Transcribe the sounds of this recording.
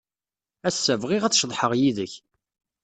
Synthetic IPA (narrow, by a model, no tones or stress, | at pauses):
æsːævʁɪʁæt͡sːʃðˤħəʁjiðəç